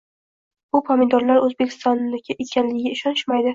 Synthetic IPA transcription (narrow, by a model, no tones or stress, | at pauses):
bʊpʰamɪnd̪ɒɾlaɾɵzbe̞kʲʰɪ̥st̪ɒnːɪkʲʰɪʔekʲʰanlɪɡʲɪɡʲaɪʃɒnɪʃmajd̪ɪ